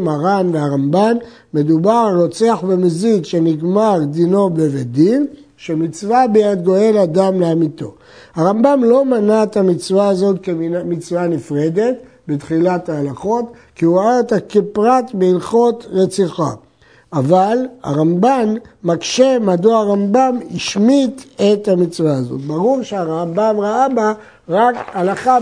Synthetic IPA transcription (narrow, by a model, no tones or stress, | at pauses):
maʁanveaʁambanː | e̞d̪ubaʁlot͡seaχbemezikʃeniɡmaʁd̪ino̞bevedin | ʃemit͡svabejad̪ɡo̞e̞lad̪amleamito̞̰ | haʁambamlo̞manaet̪amit͡svaazo̞t̪kemit͡svanifʁed̪e̞t | betχilathaːlaχo̞t | kiuʁaaet̪akepʁatbeilχo̞tʁet͡siχa̰ | avala̰ʁambanːakʃe̞madoaʁambamiʃmit̪e̞thamit͡svaazo̞̰t̪̚baʁuʁʃeaʁambamʁaaba | ʁakalaχa